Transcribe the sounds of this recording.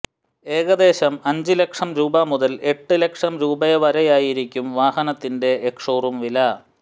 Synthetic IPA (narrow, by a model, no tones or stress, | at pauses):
e̞ːɣɐd̪e̞ːɕɐmɐɲd͡ʑilekʂɐmɾuːbɐmuðɐle̞ʈːɨle̞kʂɐmɾuːbɐjɐʋɐɾɐjaːjiɾikʲːumʋaːhɐnɐt̪ːinde̞ekʂoːrumʋilɐ